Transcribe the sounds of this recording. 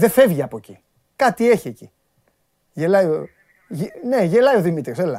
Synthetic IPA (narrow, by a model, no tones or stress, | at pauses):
ðe̞fe̞vʝiɐpo̞cḭ | kɐt̪ie̞çieci | ʝelɐjo | ne̞ʝe̞lɐio̞ðimit̪ɾiselɐ